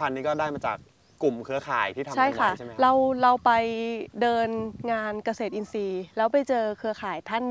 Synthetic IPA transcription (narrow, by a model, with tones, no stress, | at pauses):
a˧nːiː˦˥kɔː˥˩daː˥˩jmaː˧t͡ɕa̰ː˨˩k̚ː | u˨˩mkʰɯ˧˥ɐkʰa̰ː˨˩˦jt̪ʰiː˥˩t̪ʰa˧t͡ɕʰa˥˩jkʰa˥˩˥ɾa˧wɾa˧wpa˧jdɤː˧nŋaː˧nka˧seː˨˩t̪̚ʔi˧nsiː˧lɛː˦˥wpa˧jt͡ɕɤː˧kʰɯ˧˥ɐkʰaː˨˩˦jt̪ʰa˥˩n